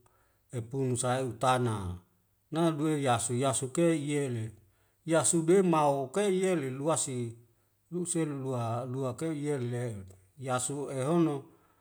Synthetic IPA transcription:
epunusaeut̪ana | naduejasujasukeijele | jasudemaokeieleluasi | luselulualuakeijele | jasueɦono

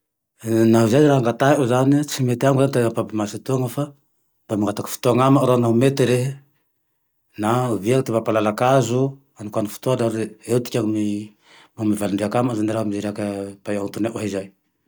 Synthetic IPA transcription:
naɦizajɾaɦaŋɡat̪aɦeozanit͡simet̪eaŋɡuzant̪aapapimasit̪uaŋafa | d̪amaŋɡat̪aki̥fi̥t̪uaŋamaɾanaumet̪eɾeɦe | naviaŋt̪imapalalakazu | anikʷwanufu̥t̪oadaɾeet̪i̥kʲaŋmi | mamivalɳɖ͡ʐiakamazaniɾamizeɾakapajaŋt̪uneʔoɦizaj

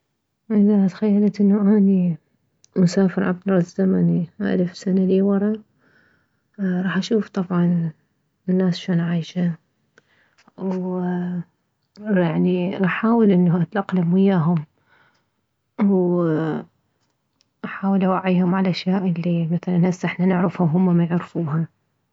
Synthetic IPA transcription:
ʔɪðaat̪xajːalat̪ʔɪnːuʔaːni | mʊsaːfɪɾʕab̚d̪ɑɾˤɑzamaniʔa̰lfsanaliːwɑɾˤɑ | ɾˤɑːħʔaʃuːft̪ˤɑbʕɑn | ɪnːaːsaʃoːnʕajʃa | w | jaʕniʔaħaːwɪlʔɪnːaʔat̪laqːlamwɪjːaːɦʊm | w | ʔaħaːwɪlʔawaʕiːhʊmʕalʔaʃjaːʔɪlːimaθalanasʔɪħnanɪʕɾɪfhʊɦʊmːamajɪʕɾfuːɦa

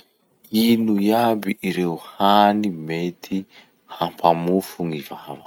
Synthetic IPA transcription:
inujabiʔːɾeuhanimet̪ʰi | hampʰamufuŋivava

